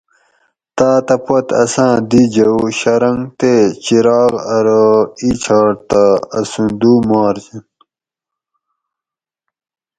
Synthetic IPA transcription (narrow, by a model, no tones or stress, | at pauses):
t̪aːt̪ɐpot̪ɐ̰sãːd̪id͡ʑɐwɕɐɾɐŋɡt̪et͡ɕiɾɑːɣɐɾoit͡ɕʰaːɽt̪aːsũnd̪uːmaːɾd͡ʑin